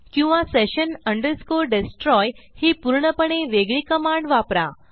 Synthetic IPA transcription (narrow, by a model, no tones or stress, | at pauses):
kĩw̃ʋaseɕənəɳɖəɾskoɾɖesʈɾɔjhiːpuɾɳəpəɽ̃eʋeɡɭiːkəmãɳɖʋapɾa̰